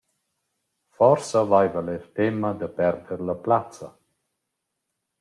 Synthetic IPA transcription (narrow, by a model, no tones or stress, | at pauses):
fɔɾsəvajvaleɾt̪emad̪əpɛɾd̪əɾləplat͡sə